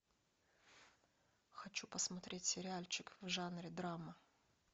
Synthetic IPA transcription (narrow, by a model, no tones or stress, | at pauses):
xɐt͡ɕupəsmɐt̪ɾʲetʲsʲɪɾʲɪalʲt͡ɕɪkvʐanɾʲɪd̪ɾamə